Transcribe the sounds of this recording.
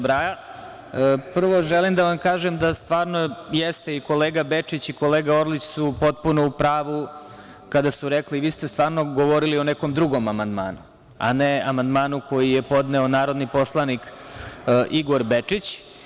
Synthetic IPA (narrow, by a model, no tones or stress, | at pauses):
bɾaja | pr̩ʋo̞ʒelimd̪aʋamkaːʒemd̪ast̪ʋaːɾnojest̪eiko̞leːɡabet͡ʂit͡ɕikoleːɡao̞ɾlit͡ɕsupo̞t̪̚punoupɾaːʋu | kad̪asuɾekliʋiːst̪est̪ʋaːɾno̞ɡoʋoɾilioneko̞md̪ɾuɡo̞mamand̪ma̰ːnu | a̰neamand̪maːnuko̞jijepo̞d̪neonaːɾo̞d̪nipo̞slˠanik | ʔiɡo̞ɾbet͡ʂit͡ɕ